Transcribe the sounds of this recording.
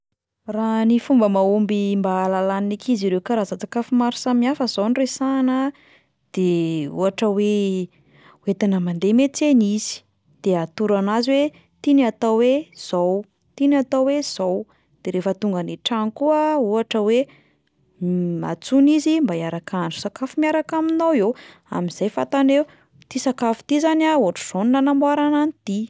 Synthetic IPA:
ranifumbəmaumbimbalalaninikʰiziɾewkaɾazat͡sakafumaɾi̥samiafəzoniresanə | d̪̥eṵaʈ͡ʂəwe | uet̪anəmand̪emet͡seniz̥i̥ | d̪̥eat̪uɾanaziwe | t̪iniat̪awez̥ow | t̪inat̪awwez̥ow | d̪̥eɾefət̪uŋɡəniʈ͡ʂanikuəuaʈ͡ʂəwe | ma̰t͡sunizimbaiaɾakanɳɖ͡ʐu̥sakafumiaɾakaminawew | a̰miz̥ajfat̪aneu | t̪isakafu̥t̪izanauaʈ͡ʂuz̥onunanamuaɾananit̪i

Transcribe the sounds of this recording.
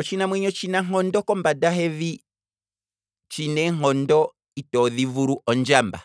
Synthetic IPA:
ɔt͡ʃinamwɛɲɔt͡ʃinaŋɔndɔkɔmbadaɦɛvi | t͡ʃinɛŋ̥ɔndɔ | itɔðivuɾuʔɔɲd͡ʒamba̰

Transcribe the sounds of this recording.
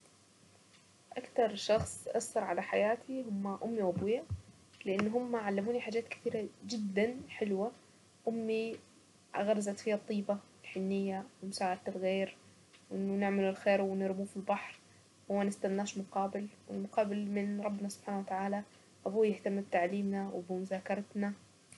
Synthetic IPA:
ʔakt̪ɑɾˤʃɑxsˤʔasːɑɾˤʕalaħajaːt̪ʰiɦʊmːaʔʊmːiwʔabuːja | lɪʔɪnːɦʊmːaʕalːamuːniħaːd͡ʒːaːt̪kɪ̥θiːɾad͡ʒɪd̪ːanħɪlwa | ʔʊmːi | ʔa̰ɣɑɾˤɑzat̪fiːat̪ˤːiːbaɪlħɪnːɪjːawɪmʊsaːʕad̪̚t̪ɪlɣeːɾ | wʔɪnːʊnɪʕmɪlɪlxeːɾwɪnɪɾbuːfilbɑħɾ | mːanɪst̪anːaːʃmʊqɑːbɪlwɪlmʊqɑːbɪlmɪnɾˤɑbːnasʊ̥b̥ħaːnawat̪aʕaːla | ʔabuːjɪht̪amːɪb̚t̪aʕliːmnawɪbɪmʊzaːkɑɾˤɑt̪na

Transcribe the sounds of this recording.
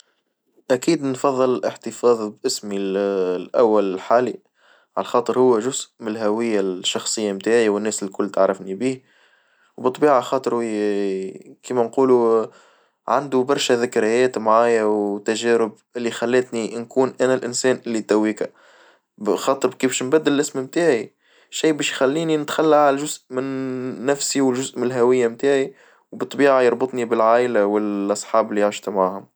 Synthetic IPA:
ʔækiːd̪nfɑðˤːɨllʔəħt̪ɨfɑːðˤbʔɪsmillʔæ̰wːælɪlħaːli | ʕa̰læxɑːt̪ˤəɾhʊwːæʒʊzʔmɪlɦæwɪjːaʃːɑxsˤɨjːamt̪aːʕjawɪnːɛːsɪlkʊlːt̪aʕɾˤɑfnibiː | wbɨt̪ˤːbiːʕaxɑːt̪ˤɨɾ | kiːmænquːlu | ʕa̰nd̪ubɑɾˤʃæðɪkɾɪjɛːt̪mʕaːjawt̪æʒɛːɾɪbʔɪlːixælːæt̪ninkuːnʔænælʔɪnsɛːnʔɪlːit̪æwːiːkæ | xɑːt̪ˤɨɾkiːbʃnbæd̪ːɪllʔɪsmmt̪aːʕi | ʃiːbɛːʃjxælːiːninɪt̪xalːaʕalæʒʊzʔmɪnːæfsiwɪlʒʊzʔmɪnlɦæwɪjːamt̪aːʕi | wbɨt̪ˤːbiːʕajɑɾˤbɨt̪ˤnibɪlʕaːʔɪlawɪlʔɑsˤħɑːbɪlːijaʕʃt̪mʕaːhʊm

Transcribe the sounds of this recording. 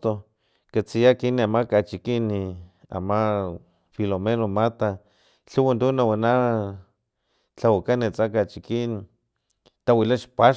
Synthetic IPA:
t̪o | kat͡sijakiniamakat͡ʃikinia̰ma | filomenomat̪a | t͡ɬuwand̪unawana | t͡ɬawakanet͡sakat͡ʃikin | t̪awilaʃpa

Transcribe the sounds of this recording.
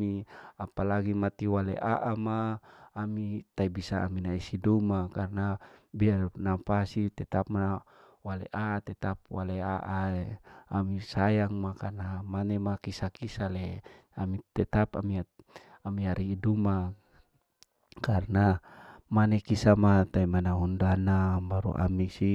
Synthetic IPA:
iapalaɡimat̪iwalḛʔaʔamaː | mit̪aibisa̰ːminaisidumakarnabiarnapasit̪ɛt̪ap̚ma | waleʔat̪ɛt̪ap̚waleaʔaeamisajaŋmakarnamanɛmakisakisalɛamit̪ɛt̪apa̰mia | amiaɾiːduma | karnamanɛkisamat̪aimanaɦundanabaɾṵʔa̰misi

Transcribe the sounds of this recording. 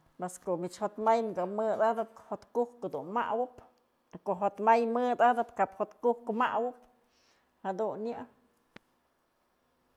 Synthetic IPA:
meskoʔmit͡ʃhot̪majnɡamɨd̪ad̪ɨp̚hot̪kuhkod̪unma̰ʔwɨp | koʔɦot̪majmɨd̪ad̪ɨpkaphot̪kuhkmaʔwɨp | had̪unɲɨʔ

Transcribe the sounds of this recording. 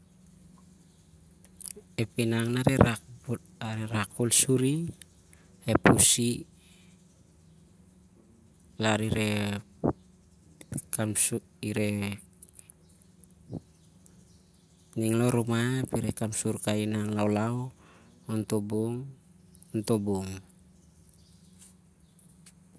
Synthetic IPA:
epinaŋnaɾeɾa | aɾeɾakolsuɾi | hepusi | laɾiɾe | kams | iɾe̞ | niŋloɾomapiɾekamsuɾkainaŋlawlaw | ontoboŋ | onto̞boŋ

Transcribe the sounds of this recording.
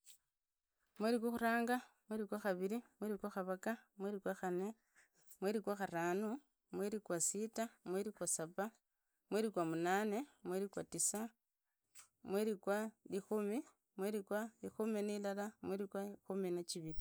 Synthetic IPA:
mweɾik̬waxuɾaːŋɡamweɾikwaxaβiɾimweɾikwaxaβakamweɾikwaxane | mweɾikwaxaɾaːnu | mweɾikwasitamweɾikwasapa | mweɾikwamunane̞mweɾikwatisa | mweɾikwalixumi | mweɾikwaixuminilalamweɾikwaxuminat͡ʃiβili

